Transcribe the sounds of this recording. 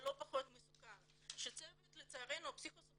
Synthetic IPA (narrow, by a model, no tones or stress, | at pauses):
lo̞paχo̞t̪mesuka | ʃet͡sevet̪let͡saaʁenopsikos